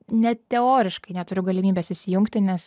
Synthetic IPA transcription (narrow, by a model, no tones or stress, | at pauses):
nʲɛt̪ʲɛoːɾʲɪʃkɐɪnʲɛt̪ʊɾʲʊɡɐlʲɪmʲiːbʲeːsɪʃʲsʲɪjʊŋkt̪ʲɪnʲɛs